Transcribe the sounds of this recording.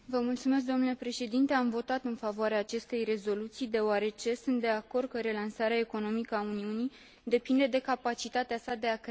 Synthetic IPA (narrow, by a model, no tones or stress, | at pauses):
vəmult̪sumes̬d̪o̞mnule̞pɾe̞ʃe̞d̪int̪e̞amvo̞t̪at̪ɨnfavoaɾeaːt͡ʃe̞st̪e̞jre̞zo̞lut̪sijd̪e̞owaɾe̞t͡ʃe̞sunt̪̚d̪e̞ako̞rd̪̚kəɾe̞lansaɾeae̞ko̞no̞mikəauniunij | d̪e̞pind̪e̞d̪e̞kapat͡ʃit̪at̪easad̪e̞ak